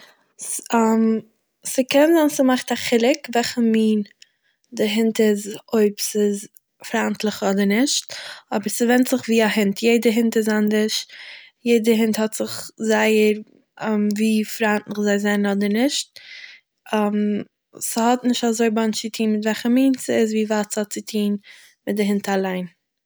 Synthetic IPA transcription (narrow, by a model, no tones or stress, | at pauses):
sam | sɪkɛnzaːnsɪmaχtaχɪlˠɪkvɛlχəmiːn | dɪɦɪntɪzoɪpsɪz | fɾantlˠɪχɔdəɾnɪʃt̚ɔbəɾsɪvɛntz̥ɪχviːaɦɪntʰjeɪdəɦɪntɪzandəʃ | jeɪdəɾɦɪnthɔtz̥ɪχzaɪəɾ | mviːfɾantlɪχzaɪzɛnnɔdəɾnɪʃt̚ | ɛm | sɪhɔtnɪʃtazoɪbant͡ʃɪtʰiːnmɪtvɛlχəmiːnsɪzviːvaːtt͡shɔt̚t͡sɪtʰiːn | mɪt̚dɪɦɪntalˠaɪn